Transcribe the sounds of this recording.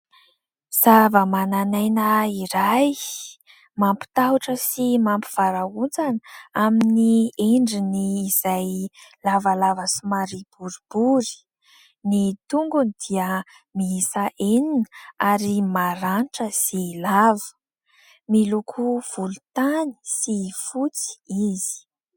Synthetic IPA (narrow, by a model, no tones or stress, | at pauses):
z̥avəmananajnəiɾaj | mampi̥t̪aɦuʈ͡ʂəsimampi̥v̥aɾaunt͡sanaminieɳɖ͡ʐiniːz̥ajlavalavəsimaɾib̥uɾib̥uɾi̥ | nit̪uŋɡunid̪̥iə | miisaʔeninəaɾimaɾanʈ͡ʂəsilavə̥ | milukʰuv̥ulut̪ani̥sifut͡si̥izi̥